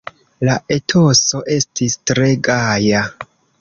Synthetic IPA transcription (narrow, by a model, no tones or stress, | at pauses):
laʔe̞tʰo̞so̞ʔe̞stistɾe̞ɡaja